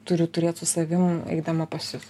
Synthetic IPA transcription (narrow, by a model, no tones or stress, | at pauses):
t̪ʊɾʲʊt̪ʊɾʲeːt̪sʊsɐʋʲɪmɛ̰ɪd̪ɐmɐpɐsʲʊs